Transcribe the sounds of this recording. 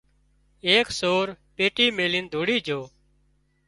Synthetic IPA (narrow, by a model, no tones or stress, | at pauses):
eːksoːɾpeːʈiːmeːliːnd̪ʱoːɽiːd͡ʒʱoː